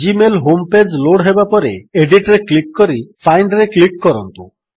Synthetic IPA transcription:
d͡ʒimelɦomped͡ʒloɽɦebapɔɾeeɖiʈɾeklikːɔɾipʰajɳɖɾeklikːɔɾɔnt̪u

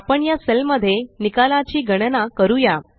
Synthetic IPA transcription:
apəɳjaselməd̪ʱːjenikalat͡ɕiːɡʱəɽ̃nakəɾuja

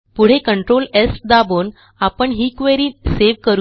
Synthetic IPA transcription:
puɽ̤ekəɳʈɾolesd̪abon | apəɳɦikʋeɾiːseʋkəɾu

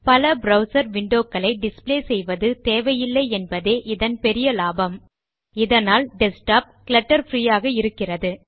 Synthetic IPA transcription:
pɐlɐbɾɐʊsɐɾʋɪɳɖoːkːɐɭɐɪɖɪspleːsɛjʋɐðɯt̪eːʋɐjɪlːɐɪɛnbɐðeːʔɪðɐnpɛɾɪjɐlaːbɐm | ɪðɐnaːlɖɛsʈaːp̚klɐʈːɐɾfɾiːjaːɣɐɪɾɯkːɪrɐðɯ

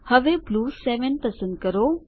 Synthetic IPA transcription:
hɐʋebluːsɛːʋənpəɾsə̃ndkəɾoː

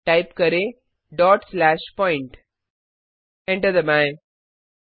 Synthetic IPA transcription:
ʈaɪpkəɾe | ɖɔːʈslæʃpɔ̃ɪ̃ɳʈ | ɛ̃ɳʈəɾd̪əmaj

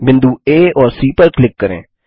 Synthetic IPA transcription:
bɪ̃nd̪uːeːɔːɾsiːpəɾklɪkːəɾḛ̃ː

